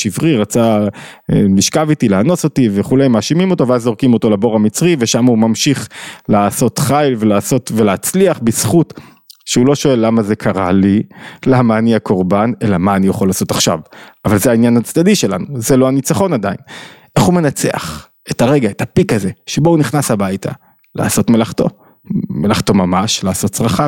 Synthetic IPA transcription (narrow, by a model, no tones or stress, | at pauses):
ʃivʁiʁat͡sa | liʃkavitileano̞so̞tiveχulejmaʃimimo̞to̞veazo̞ʁkimo̞to̞lebo̞ʁamit͡sʁive̞ʃamaumamʃiχlaːso̞tχajlve̞laːso̞tveleat͡sliaχbisχut | ʃeulo̞ʃo̞e̞lːamaze̞kʰaʁa̰lilamaːniako̞ʁbane̞lamaːnijaχolaːso̞taχʃavavalzeainjanat͡sdadiʃe̞la̰nuze̞lo̞anit͡saχo̞nadainʔe̞χume̞nat͡se̞̰a̰χ | e̞taʁe̞ɡaetapikaze̞ʃebouniχnasabajtʰa̰ | lʔa̰ːso̞tme̞laχt̪o | melaχto̞mamaʃlaːso̞tt͡sʁaχa